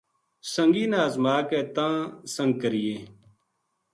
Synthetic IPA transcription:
səŋɡiːnaːzmaːkɛːt̪ãːsəŋɡ̚kəɾɪjeː

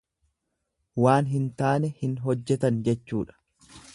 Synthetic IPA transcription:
waːnɦɪnt̪aːnɛhɪnɦɔd͡ʒːɛt̪ɐnd͡ʒɛt͡ʃːuːᶑɐ̥

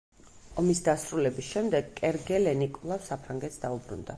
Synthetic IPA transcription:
ɔmisd̪asɾulɛbisʃɛmd̪ɛɡkʼɛɾɡɛlɛnikʼɔlˠafsapʰɾaŋɡɛt̪sd̪aubɾṵnd̪a

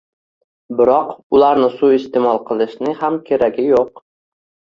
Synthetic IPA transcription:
bɪɾɒqʊlaɾnɪsuɪst̪emɒlˠqʰɨlˠɪʃnɪhamkʲʰeɾaɡʲɪjoq

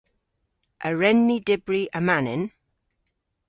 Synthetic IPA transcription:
ʔəɹɛnːidɪbɹiʔəmanɪn

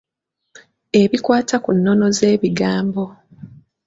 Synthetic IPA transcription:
e̞βikwaːtakunːo̞no̞ze̞ːβiɡaːmbo̞

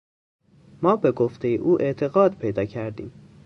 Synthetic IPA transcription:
mɒːbe̞ɡoft̪ʰe̞jḛʔuːʔe̞ʔt̪ʰe̞ɣɒːd̪pʰe̞jd̪ɒːcʰæɾd̪ḭːm

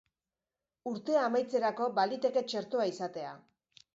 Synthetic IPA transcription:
uɾt̪e̞amajt͡se̞ɾako̞balit̪e̞ke̞t͡ʃe̞ɾt̪oaisat̪e̞a

